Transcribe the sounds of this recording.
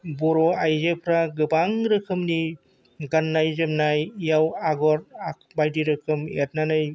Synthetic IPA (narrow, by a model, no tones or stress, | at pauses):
bɔɾɔajzɯpʰɾaɡɯbaŋɾɯkʰɯmni | ɡanːajzɯmnajjawaɡɔɾak̚bajdiɾɯkʰɯmet̚nanaj